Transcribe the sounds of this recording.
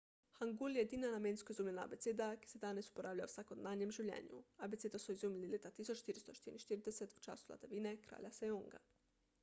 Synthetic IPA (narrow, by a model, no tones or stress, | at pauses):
xaŋɡuljɛjed̪iːnanamẽːnskoɔizuːmlʲɛnaa̰beseːd̪aki̥sɛd̪aːnɛsu̥poɾaːwlʲausakod̪naːnjɛmʒiwlʲjʲɛ̰ːnjṵabetseːd̪asɔizuːmilileːt̪at̪iːsɔt͡ʃʃt̪iːɾist̪oʃt̪iːɾḭnʃt̪iːɾid̪ɛsɛt̪u̥t͡ʃa̰ːsula̰d̪aʋiːnɛkɾa̰ːlʲjasɛjoŋɡa̰